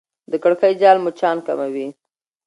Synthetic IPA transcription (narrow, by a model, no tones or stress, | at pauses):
d̪əkəɽkəjd͡ʒɑlmʊt͡ʃɑnka̰mawi